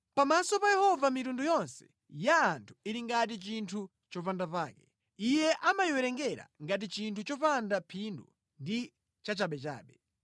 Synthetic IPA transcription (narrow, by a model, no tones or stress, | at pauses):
pamasɔpajɛhɔvamitundujɔnsɛ̥ | jaːntʰu̥iɾiŋɡat̬it͡ʃintʰu | t͡ʃɔpandapaːkɛ | ijɛʔamajiwɛɾɛŋɡɛɾa̰ŋɡat̬it͡ʃintut͡ʃɔpandapʰindṵ | ndi | t͡ʃat͡ʃaɓɛt͡ʃa̰ːɓɛ